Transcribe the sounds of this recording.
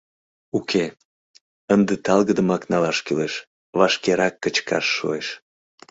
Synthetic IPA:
ukʰe | ənd̪et̪ɑlˠɣəd̪əmɑknɑlɑʃkyleʃ | vɑʃkeɾɑkːət͡ɕkʰɑ̰ʃːo̰eʃ

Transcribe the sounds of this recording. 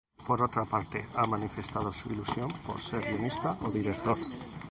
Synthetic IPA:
poɾot̪ɾapaɾt̪ḛamãnife̞st̪að̞osuilusjo̞mpo̞̰ɾseɾβjonist̪aʔoðiɾek̚t̪o̞ɾ

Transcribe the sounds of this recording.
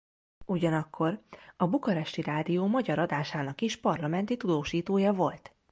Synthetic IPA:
uɟɒnɒkːo̞rɒbukɒɾɛʃt̪iɾaːd̪ijoːmɒɟɒɾɒd̪aːʃaːnɒkiʃpɒrlɒmɛnt̪it̪ud̪oːʃiːt̪oːjɒvo̞lt̪

